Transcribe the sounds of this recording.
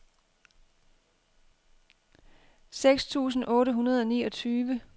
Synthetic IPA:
seɡ̥st͡sʰṵːs̬n̩ʔɔ̽ːɾəɦunɐð̞ˠɒ̽niːɒ̽t͡sʰyːʋə

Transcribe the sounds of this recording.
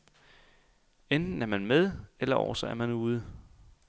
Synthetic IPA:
end̥n̩æɐmænmeð̞ˠelɐʔɒ̰ʊ̰ɐsɒ̽æɐmænuːð̞ˠ

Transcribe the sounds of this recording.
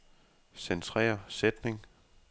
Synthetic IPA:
sent͡sʰʁɛ̰ːɐsed̥ne̝ŋ

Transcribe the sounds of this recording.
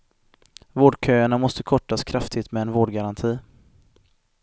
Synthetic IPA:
voːɖkʰøːaɳamɔst̪əkʰɔʈːaskʰɾaft̪ʰɪt̪mɛɛnvoːɖɡaɾant̪ʰiː

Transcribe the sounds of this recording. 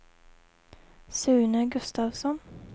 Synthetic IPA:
sʉ̟ːnəɡɵst̪aːvsɔn

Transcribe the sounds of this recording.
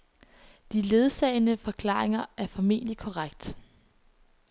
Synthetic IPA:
d̥ile̝ð̞ˠsɛ̰ːɪnəfɒ̽kʰlɑ̰̈ːʁeŋɐæɐfɒ̽me̝̰ːlikʰɒʁaɡ̥̚d̥

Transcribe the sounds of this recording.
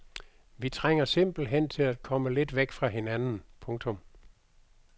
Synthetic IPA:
ʋit͡sʰʁeŋ̰ɐse̝m̰b̥l̩ɦen̰t͡sʰe̝læd̥̚kʰɒ̽məle̝d̥ʋeɡ̥fʁɑ̈ɦe̝nænn̩pʰɔ̽ŋt͡sʰɔ̽m

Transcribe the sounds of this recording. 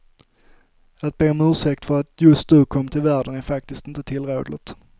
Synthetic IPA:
at̪̚b̥eːɔmʉ̟ːʂɛk̚t̪fœɾat̪jɵst̪̚nʉ̟ːkʰɔmːt̪ʰɪlvæːɖənæɾfak̚t̪ɪst̪ɪnt̪ət̪ʰɪlɾḛːd̪lə̰t̪

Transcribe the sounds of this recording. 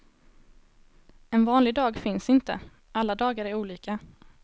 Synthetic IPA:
ɛnvɑːnlɪɡ̚d̪ɑːɡfɪnsɪnt̪ə̰ | alːad̪ɑːɡaɾæɾuːliːkʰa

